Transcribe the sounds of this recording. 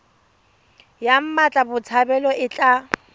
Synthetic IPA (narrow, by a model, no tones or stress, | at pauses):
jam̩mat͡ɬʼabʊt͡sʰabɛlɔʔɪt͡ɬʼa